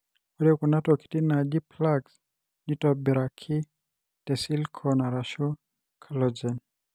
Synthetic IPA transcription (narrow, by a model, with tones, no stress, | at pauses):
ɔ˦ɾɛkuna˦tɔki̥ti˦na˨di˦plaɡs | ni˦tɔbɛ˨ɾakʰi˦ | tɛ˨si˦lkʰɔna˨ɾaʃu˦ | kʰa˨lɔd͡ʒɛn